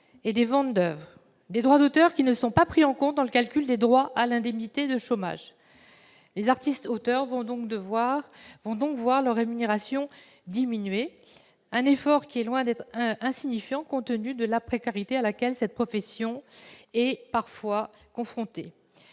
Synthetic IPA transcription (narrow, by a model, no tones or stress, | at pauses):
ed̪evɑ̃t̪̚d̪œvʁ | d̪ed̪ʁwad̪ot̪œʁkʲinəsɔ̃papχiɑ̃kɔ̃t̪̚d̪ɑ̃ləkalkʲyld̪ed̪ʁwaʔalɛ̃d̪ɛmnit̪ed̪əʃoma̰ʒ | lezaʁt̪ist̪ot̪œʁvɔ̃ɔ̃k̪əvavɔ̃d̪ɔ̃kvwaʁlœʁːemyneʁasjɔ̃ | d̪iminɥe | ɛ̃nefɔʁkʲiɛlwɛ̃d̪ɛt̪χɛ̃siɲifjɑ̃kɔ̃t̪ənyd̪əlapχekaʁit̪ealakʲɛlsɛt̪̚pχɔfɛsjɔ̃ɛpaʁfwa | kɔ̃fχɔ̃t̪e